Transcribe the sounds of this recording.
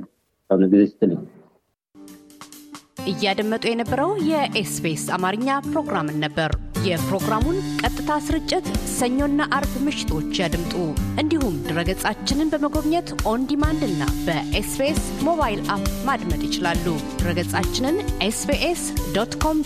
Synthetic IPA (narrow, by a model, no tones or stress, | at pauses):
awnəɡɨzist̪ʰɨnɨɲ | ʔɨjːad̪əmːət̪ʼujɛnəbːəɾəwjɛʔesbesamaɾɨɲːapɾo̞ɡɾamɨnːəbːəɾjɛpɾo̞ɡɾamunkʼət̪ʼːɨt̪ʰasɨɾɨt͡ʃʼːɪt̪səɲːo̞nːaʔaɾbmɨʃɪ̥t̪ʰo̞t͡ʃːjad̪mt̪ʼuʔɨnd̪ihumd̪ɨɾəɡət͡sʼat͡ʃːɪnɨnbəməɡo̞βɲɛt̪ʔo̞nd̪imand̪ɨnːa̰bəʔespes | mo̞βajilʔapmad̪mət̪ʼjɪt͡ʃɪlalːud̪̥ɨɾəɡət͡sʼat͡ʃːɪnɨnʔesbeʔesd̪ot̪kʰo̞m